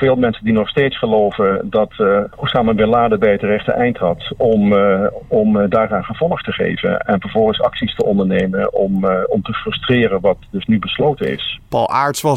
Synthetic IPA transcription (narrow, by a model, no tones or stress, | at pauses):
v̥ɪːlˠmɛnsəndinɔχstejtsχəlowvəndɑtusaːməʋɪlaːdəbɛjətərɛχtə̰ʔɛjntɦɑtɔm | ɔmdaːraːnχəv̥ɔlˠəχtəχḛjvə̰nɛ̰nvəɹvɔlˠχənsɑksistəɔndəɹnejmənɔmɔmtəfrɵstrɪːrənʋɑt̚dɵsnybəslowtənɪ̰spɑ̰lˠa̰ːɹtsʋɑ